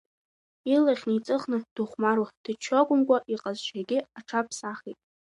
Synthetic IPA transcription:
ilaχʲnɨit͡sʼɨχnɨd̥uχʷmaɾwad̥ɨt͡ʃʰaɡʷʼʊmkʷʼaʔiqʼazʃʷaɡʲɪaʈ͡ʂʰapʰsaχḛtʼ

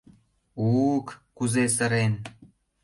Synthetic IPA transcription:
ukːuzes̬əɾen

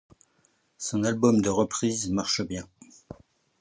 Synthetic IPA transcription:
sɔ̃nalbɔmd̪əʁəpχizmaʁʃəbjɛ̃

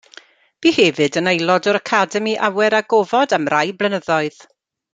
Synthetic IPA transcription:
b̥iːhɛvɨdənejlˠɔdɔɾakʰadɛmiʔawɛɾaɡovɔdamrajblˠənəðɔɨð

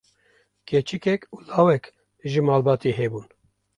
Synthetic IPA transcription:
kʰet͡ʃɨkɛkuːlaːwɛk̪ | ʒɨmɑːlbɑːt̪iɦɛbuːn

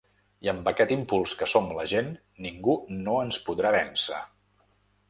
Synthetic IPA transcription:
iəmbəkɛt̪impulˠskəsomləʒenː | iŋɡunoənspuðɾaβɛnsə̰

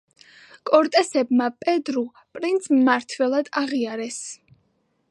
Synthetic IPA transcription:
kʼɔɾt̪ʼɛsɛbmapʼɛd̪ɾu | pʼɾint̪sʰmaɾt̪ʰwɛlˠad̪aʁiaɾɛs

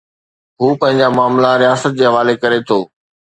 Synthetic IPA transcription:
ɦuːpɐ̃ɦɪ̃ɲd͡ʑamaːmlaɾijaːsət̪̚d͡ʑeːɦɐʋaːlekɐɾet̪ʰoː

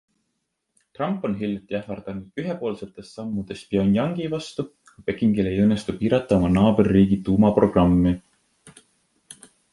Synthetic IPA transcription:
t̪rɑmpːˑo̞nɦilʲjɑt̪ːˑiæfɑrd̪̥ɑnud̪̥yɦepo̞ːlse̞t̪ːˑe̞st̪sɑmːud̪̥e̞spio̞njɑŋɡ̥ivɑst̪u | kɑpe̞kˑiŋɡile̞jɤnːe̞st̪upiːɾɑt̪ˑːɑo̞mɑnɑːberːiːɡit̪uːmɑpro̞ɡ̥rɑmːi

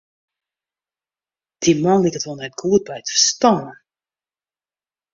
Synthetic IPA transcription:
d̥imɔnlikətʋonɛt̚ɡuət̚bɛjtəstɔnə

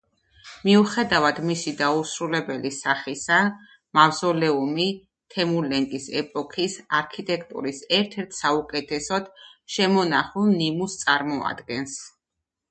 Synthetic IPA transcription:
miuχɛd̪avad̪̥misid̪ausɾulɛbɛlisaχisa | mavzɔlɛumi | t̪ʰɛmulɛŋkʼisɛpʼɔkʰisaɾkʰit̪ʼɛkʰt̪ʼṵɾisɛɾt̪ʰɛɾt̪ʰsaukʼɛt̪ʰɛsɔd̪̥ʃɛmɔnaχulˠnimust̪sʼaɾmɔa̰d̪̥ɡɛns

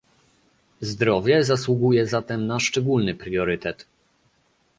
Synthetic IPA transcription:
zd̪ɾɔvʲjɛzaswuɡujɛzat̪ɛmnaʂt͡ʂɛɡulnɘpɾjɔɾɘt̪ɛt̪

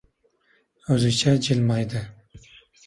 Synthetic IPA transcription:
ɵzɪt͡ʃʰad͡ʒɪlmɑjd̪ɪ

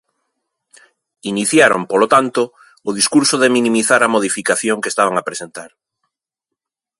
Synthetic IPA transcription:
iniθjaɾo̰mpolot̪ant̪oː | ðiskuɾsoðeminĩmiθaɾamoð̞ifikaθjoŋkest̪aβ̞aŋapɾesent̪aɾ

